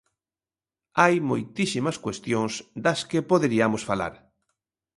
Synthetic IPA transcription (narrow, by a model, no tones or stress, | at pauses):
ajmojt̪isimɐskwest̪jõŋsd̪ɐskepoðeɾiamosfala̰ɾ